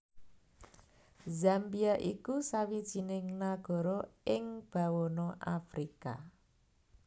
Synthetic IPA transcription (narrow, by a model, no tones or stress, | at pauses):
zambiaʔikusawid̥ʒ̥i̤nɪŋnaɡ̥ɔ̤ɾɔɪŋb̥a̤wɔnɔʔafɾika